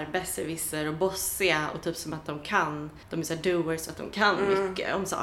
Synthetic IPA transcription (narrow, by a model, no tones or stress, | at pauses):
ɾbɛsɛɾvɪsəɾɔbɔsɪaɔ̰t̪ʰyːpsɔmat̪̚d̪ɔmkʰand̪̥ɔmɛsæːɖuːəɾsat̪d̪ɔ̰mkʰanmʏkːə̰ɔmsɑ̰ː